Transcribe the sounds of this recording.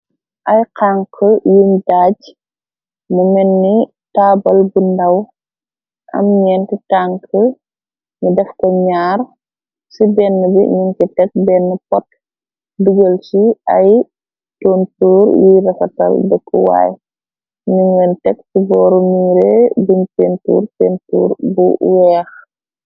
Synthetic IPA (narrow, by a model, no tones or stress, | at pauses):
ʔɐjqaŋkʰəjumdaːɟ | mumɛnːi | taːbɐlbundɐw | ʔɐ̰mɲɛːnkitaŋkʰə | ɲudɛfkɐɲaːr | sibɛnːəbḭɲunkitɛk̚bɛːnːəpɔt | duɡəlt͡ʃiɐj | toːntuːɾjiɾɐfɐtɐ̰lbɛkːuwa̰ːj | ɲuŋɡəntɛktibɔːɾɔmiːɾebiɲteːntṵːɾteːntṵːɾbṵwɛːx